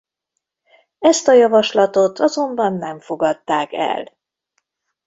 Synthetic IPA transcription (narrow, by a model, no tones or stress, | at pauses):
ɛst̪ɒjɒvɒʃlɒt̪o̞t̪ʰɒzo̞mbɒnːɛɱfo̞ɡɒt̪ːaːkɛ̰l